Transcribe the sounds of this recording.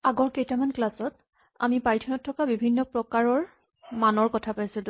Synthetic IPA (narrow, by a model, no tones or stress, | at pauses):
aɡɔɹkejtamanklasɔt | a̰mipaɹtʰɔnɔtʰːɔkabibʱinːɔpɹɔkaɹɔɹ | manɔɹkɔtʰapajsʊd